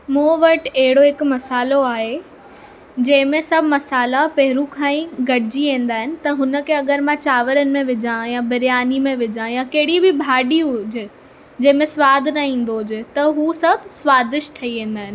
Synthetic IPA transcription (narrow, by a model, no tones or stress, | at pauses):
mũːʋɐʈɐɦɪɽoɦɪkmɐsaːloaːɦe | d͡ʑɐ̃ɦɪ̃mẽsɐbʱmɐsaːlapɐɦɪɾukʰãːĩɡɐɽɪd͡ʑiʋẽːn̆d̪aːɦɪnɪ̆t̪ɐɦʊnə̆kʰeɐɠəɾmãt͡ɕaːʋəɾənɪ̆mẽʋɪd͡ʑãjabɐɾjaːnimẽʋɪd͡ʑãjakɐɦɪɽibɪbʱaːɗiʊd͡ʑɪ | d͡ʑɐ̃ɦɪ̃mẽswaːd̪ʱnɐĩːn̆d̪oɦd͡ʑɪt̪ɐɦusɐbʱswaːzɪʃʈ̪ʰɐiʋẽːn̆d̪aːɦɪnɪ̆